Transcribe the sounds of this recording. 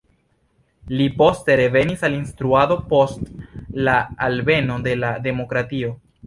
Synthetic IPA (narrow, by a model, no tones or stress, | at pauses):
lipo̞ste̞ɾe̞ve̞nisalinstɾuado̞po̞stlaːlbe̞no̞de̞lade̞mo̞kɾatio̞